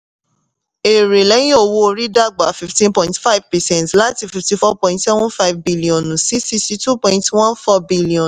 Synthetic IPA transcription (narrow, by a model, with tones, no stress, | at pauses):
e˨ɾe˨lɛ˨˦jĩ˦o˦˧˨wo˦˧ɾi˦da˦ɡ͡ba˨˦fi˨ftĩ˦npɔ̃˦˨ĩntfa˦i˦vpɛ˨sɛ̃˨ntla˦ti˦˨fi˨fti˧fɔ˦pɔ̃˨ĩ˧ntsɛ˦vɔ̃˦fa˦i˨vbi˦li˨ɔ̃˨nũ˨si˦si˦si˦tu˦pɔ̃˧ĩntwã˦nfɔ˦bi˦li˨ɔ̃˨